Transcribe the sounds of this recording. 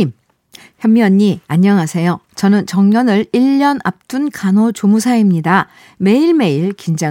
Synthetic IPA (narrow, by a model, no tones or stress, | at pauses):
im | çjʌmːjʌɲːiaɲːʌŋɦasʰe̞jot͡ɕʌnɯnt͡ɕʌŋɲʌnɯɭiʎːʌna̰p̚t͈unkʰanot͡ɕomusʰaimɲida | me̞iɭme̞iɭkind͡ʑa